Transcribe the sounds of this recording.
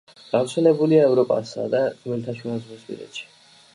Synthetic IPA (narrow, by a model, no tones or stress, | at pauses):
ɡ̥avɾt̪sʰɛlɛbuliaɛvɾɔpʼa̰sa̰d̪azɔmɛlt̪ʰaʃɛazvɔspʼḭɾɛ̰t̪ʃi̥